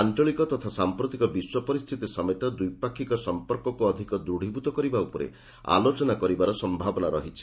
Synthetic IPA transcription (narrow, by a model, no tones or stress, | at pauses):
ant͡ʃɔɭikɔt̪ɔt̪ʰasampɾot̪ikɔbiswɔpɔɾist̪ʰit̪isɔmet̪ɔd̪ujpakʰikɔsɔmpɔɾkɔkuɔd̪ʱikɔd̪uɽ̤ibut̪ɔkɔɾibaupɔɾḛ | a̰lot͡ʃɔnakɔɾibaɾɔsɔmbʱabɔnaɾɔ̰ɦit͡ʃʰi̥